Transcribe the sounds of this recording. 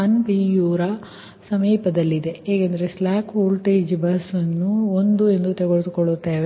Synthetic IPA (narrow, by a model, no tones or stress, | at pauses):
ɐnpiːjuːɾɐ | sɐmiːpɐd̪ɐlːid̪e̞eːkend̪ɐɾeslaːkʰuːlʈeːd͡ʒbɐsɐnːuond̪ue̞nd̪ut̪eɡoɭd̪ukɔɭut̪ːeːʋe